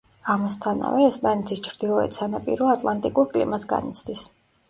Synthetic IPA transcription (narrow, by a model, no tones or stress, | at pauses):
amast̪ʰana̰vɛːspʼanɛt̪ʰist͡ʃʰɾd̪ilˠɔɛ̰t̪sanapʼḭɾɔat̪ʼlˠant̪ʼikʼuɾkʼlḭmasɡa̰nḭt̪sʰd̪is